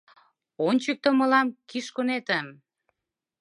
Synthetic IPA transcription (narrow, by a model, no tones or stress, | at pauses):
onʲt͡ɕək̚t̪oməlɑmkiʃkonet̪əm